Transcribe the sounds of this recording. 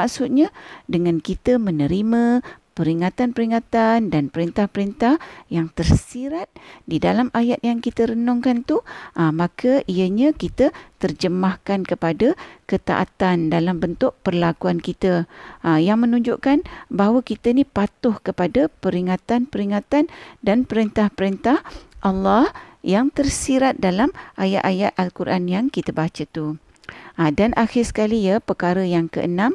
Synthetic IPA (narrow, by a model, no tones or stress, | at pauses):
maksut̪̚ɲadəŋankit̪əmənəɾimə̃pəɾiŋat̪anpəɾiŋat̪andanpəɾint̪ahpəɾint̪ahjaŋt̪ərsiɾat̪̚didalamajat̪̚jaŋkit̪əɾənɔŋkant̪uʔəmakʰəʔiəɲãkit̪ət̪ərd͡ʒəmahkankəpadakət̪a̰ʔa̰t̪andalambənt̪ʊʔ̚pərlakuankit̪əjaŋmənũɲd͡ʒʊʔkanbaɦwakit̪ənipat̪ʊhkəpadapəɾiŋat̪anpəɾiŋat̪andanpəɾent̪ahpəɾent̪ahʔalːahjaŋt̪ərsiɾat̪̚dalamʔaja̰ʔ̪ajat̪̚ʔalkuɾʔanjaŋkit̪əbat͡ʃət̪u | adanʔaxɪrsə̥kalijapəkaɾəjaŋkə̰ʔənãm